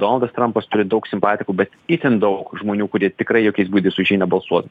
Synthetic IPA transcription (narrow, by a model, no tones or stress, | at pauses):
d̪oːnɐlˠd̪ɐst̪ɾɐmpɐst̪ʊɾʲɪd̪ɒʊksʲɪmpɑːt̪ʲɪkuːbʲɛt̪ɪt̪ʲɪnd̪ɒʊkʒmoːnʲuːkʊɾʲiɛt̪ʲɪkɾɐɪjoːkʲɛɪsbuːd̪ʲeːsʊʒʲiːnɐbɐlˠsuɔt̪